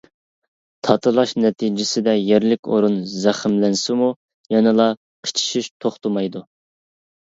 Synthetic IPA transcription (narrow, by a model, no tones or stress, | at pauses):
t̪ʰɑt̪ʰɨlˠɑʃnɛt̪ʰid͡ʒɪsɪd̪ɛjeɾlɪkʲʰoɾunzæχɪmlɛnsɪmu | jɛnɨlˠɑ | qʰə̥t͡ʃʰi̥ʃiʃt̪ʰoχt̪umɑjd̪u